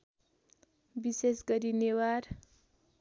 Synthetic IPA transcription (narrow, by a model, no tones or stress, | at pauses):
bisesɡʌɾinewaɾ